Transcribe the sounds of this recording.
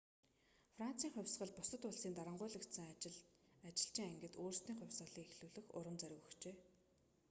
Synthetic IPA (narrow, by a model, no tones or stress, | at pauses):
fran̥t͡siːŋχʊ̟wʲsɢə̆ɮpʊsə̆t̪ʊɮsiːnt̪aɾə̆ɴɢʊ̟ːɮə̆kt̪sə̆ŋ | at͡ɕɪ̆ɬt͡ɕiːŋæŋɡɘ̆t̪oːrst̪iːŋχʊ̟wʲsɢə̆ɮiːŋexɮuːɮɘ̆xʊ̰ɾə̆mt͡sœɾʲʊ̆ɣə̆xt͡ɕeː